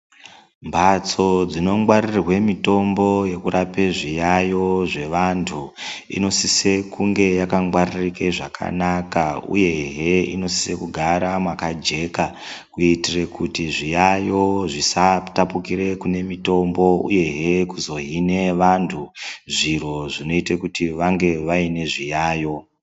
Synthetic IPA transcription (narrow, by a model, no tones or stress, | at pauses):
mbʱat͡so̞d͡zino̞ŋɡwarirwe̞mito̞mbo̞je̞kuɾapeʐijajo̞ʐe̞ʋantʰuḭno̞sise̞kuŋɡe̞jakaŋɡwaririkeʐakʰa̰nakaṵje̞ɦeḭno̞si̥sekuɡʱaɾamwakad͡ʒe̞kakuitire̞kutiʐijajo̞ʐisatapukiɾe̞kune̞mito̞mbo̞ṵje̞ɦe̞kuzo̞ɦine̞ʋantʰuʐiro̞ʐino̞itekutiʋaŋɡe̞ʋaine̞ʐijaːjo̞